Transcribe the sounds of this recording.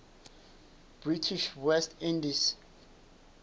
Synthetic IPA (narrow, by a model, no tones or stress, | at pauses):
b̥ɹitʰiʃwɛstʰĩndis